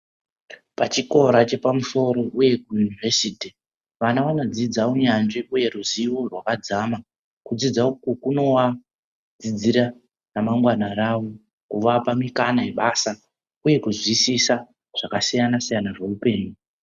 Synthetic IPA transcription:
pat͡ʃiko̞ɾat͡ʃe̞pamuso̞ɾo̞ʔuje̞kujunivesiːti | ʋanaʋano̞d͡zid͡zaoɲand͡ʒiʔuje̞ruziʋo̞rwakad͡zama | kud͡zid͡zaokukuno̞ʋa | d͡zid͡ziɾa | namaŋɡwanaɾaʋo̞ | kuʋapamikanae̞ɓaːsa | uje̞kuzisisa | ʐ̥akasijanasijanaʐeupe̞ːɲu

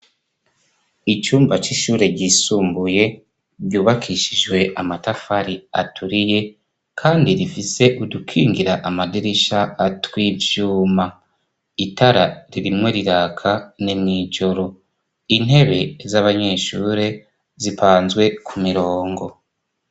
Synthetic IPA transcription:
it͡ʃuːmbat͡ʃiʃuːɾe̞ɟisuːmbuje̞ | ɟuːβakʰiʃid͡ʒwe̞ʔamatafaɾiatʰuɾije̞ | kʰaːndiɾifise̞ʔudukʰiːŋɡiɾaʔamadiɾiʃaːtwiːvjuːma | itʰaɾaɾiɾimŋe̞ɾiɾaːkʰanimŋiːd͡ʒo̞ɾo̞ | in̥he̞βe̞zaβaɲe̞ːʃuːɾe̞ | zipʰaːnzɡwe̞kʰumiɾo̞ːŋɡo̞

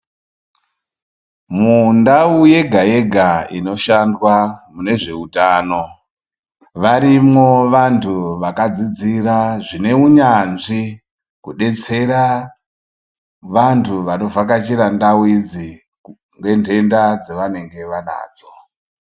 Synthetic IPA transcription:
mundauje̞ɡʱaje̞ɡʱaino̞ʃandwamune̞ʐe̞utaːno̞ | ʋaɾimo̞ʋantʰuʋakad͡zid͡ziraʐine̞uɲanʐi | kuɗe̞t͡se̞ɾa | ʋantʰuʋano̞vak̬at͡ʃiɾandauid͡zi | ŋɡe̞ntʰe̞ndad͡zeʋane̞ŋɡe̞ʋana̰ːd͡zo

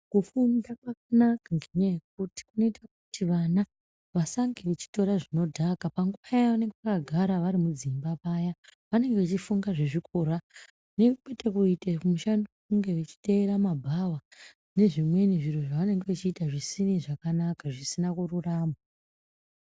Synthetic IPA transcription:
kufundakwakanakaŋɡeɲajek̚uti̥kuno̞itʰakutiʋana | ʋasaŋɡeʋet͡ʃi̥to̞ɾaʐino̞dʱakapaŋɡuʋajaʋane̞ŋɡeʋakaɡʱaɾaʋaɾimud͡zimbapajaʋane̞ŋɡeʋat͡ʃifuŋɡaʐeʐikʰoɾa | ne̞kwe̞tekuiteumuʃandikuŋɡe̞ʋet͡ʃi̥te̞eɾamabʱawa | ne̞ʐimwe̞niʐiroʐaʋane̞ŋɡeʋat͡ʃiːtaʐisiniʐakanakaʐisinakururaːma

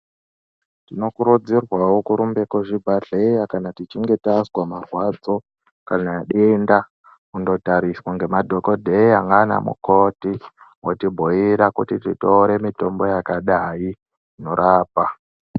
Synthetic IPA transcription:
tino̞kuɾud͡zirwawokuɾumbe̞koʐibʱaɮejakanatit͡ʃiŋɡe̞taswamarwad͡zo̞ | kanaɗenda | kundo̞taɾiswaŋɡe̞madʱo̞kodʱeiaŋɡana̰mṵko̞ti | wotibʱoiɾakutititoɾe̞mito̞mbo̞jakaɗai | no̞ɾʔaːpa

